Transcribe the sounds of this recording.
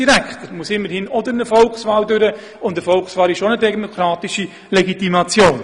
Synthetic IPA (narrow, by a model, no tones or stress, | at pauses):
iɾækχt̪əmuəsɪmːəɾhɪnɔdəɾnəfɔlksvɑːldʏɾə | ʊndəfɔlksvɑːlɪʃonədɛɡmokʰɾɑːtiʃi | lɛɡitimɑt͡sjoːn